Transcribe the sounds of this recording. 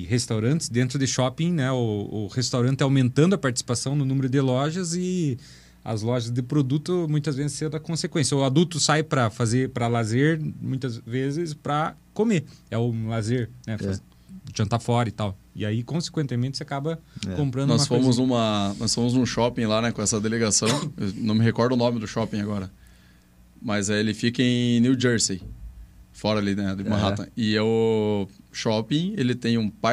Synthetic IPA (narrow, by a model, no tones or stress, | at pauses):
hest̪awɾɐ̃nt̪ɪsd̪ẽnt̪ɾʊd̪ɪʃɔpĩnɛʊːhest̪awɾɐ̃nt̪ɪawmẽnt̪ɐ̃nd̪ʊɐpaɾt͡ʃi̥si̥pasɐ̃w̃nʊnũmeɾʊd̪ɪlɔʒɐzɪ | ɐ̰zlɔʒɐzd̪ɪpɾod̪ut̪ʊmũj̃t̪ɐzvezɪsẽd̪̃ɐkõsekwẽsjɐʊad̪uwt̪ʊsajpɾɐfazepɾɐlazeɾmũj̃t̪ɐzvezɪspɾɐkomeɛʊlazeɾnɛfaz | ʒɐ̃nt̪afɔɾɐit̪aw | ɪ̰aikõse̥kwẽnt̪ɪmẽnt̪ɪ̥seakabɐkõmpɾɐ̃d̪nɔumsfõmʊzũmɐnɔsfõmʊzũʃɔpĩj̃lanɛkõɛsɐd̪eleɡasɐ̃w̃enɐ̃w̃mɪɦekɔɾd̪ʊnõmɪd̪ʊʃɔpĩaɡɔɾɐ | mɐzɛelɪfikɐẽj̃nuwd͡ʒeɾsi | fɔɾɐalinɛd̪ʊmaɦaɐ̰̃ɪɛʊ | ʃɔpĩj̃elɪt̪ẽj̃ũpa